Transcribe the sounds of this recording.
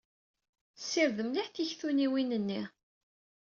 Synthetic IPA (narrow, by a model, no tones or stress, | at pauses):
sːiɾðəmliħθiçθuniwinənːi